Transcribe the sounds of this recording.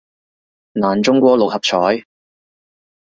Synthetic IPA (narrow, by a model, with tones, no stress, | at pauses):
naː˨˩nt͡sʊ˥ŋkʷɔː˧lʊ˨k̚hɐ˨p̚t͡ʃʰɔː˨˥j